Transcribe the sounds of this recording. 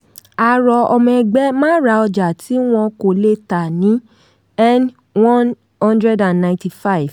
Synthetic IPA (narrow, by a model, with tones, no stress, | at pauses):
a˨ɾɔ˧ɔ˧mɛ̃˧ɡ͡bɛ˦mãː˦ɾa˧˦ɔ˧d͡ʒa˨ti˨˦w̃ɔ̃˧ko˨le˦ta˨nĩ˨˦ | ɛ˦n | wɔ̃˦n | hɔ̃˦ndɾɛ˦da˨nːã˨ti˨fa˦i˨v̥